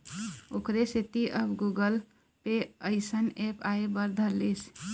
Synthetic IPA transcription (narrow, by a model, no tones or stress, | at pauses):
okɾeset̪iʔəbɡuɡəl | peəɪsənepaebəɾd̪ʱəlis